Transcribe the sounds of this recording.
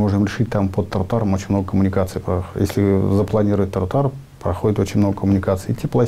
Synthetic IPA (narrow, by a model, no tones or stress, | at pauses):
mo̞ʐɨmɾʲɪʂɨtʲt̪ampət̪ːɐɾt̪aɾəmot͡ɕɪnʲmno̞ɡəkəmʊnʲɪkat̪sɨjpɾɐjesʲlʲɪzəplˠɐnʲiɾʊvət̚ʲt̪ɐɾt̪ar | pɾɐxodɪt̪o̞t͡ɕɪnʲmno̞ɡəkəmʊnʲɪkat̪sɨɪɪtʲːiplˠɐ